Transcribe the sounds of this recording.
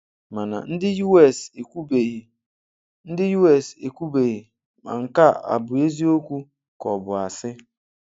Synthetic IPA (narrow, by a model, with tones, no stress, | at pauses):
ma˨na̰˨n̩˦dɪ˦ju˦ɛ˦˨se˨ku˦be˨ | n̩˦dɪ˦ju˦ɛ˦˨se˨kʷu˦be˨ɣi˨ | ma̰˨ŋ̩˨ka˦a̰˨bʊ˨e˦zi˦o˦kʷu˦ | kɔ˨bʊ˨a˨sɪ˦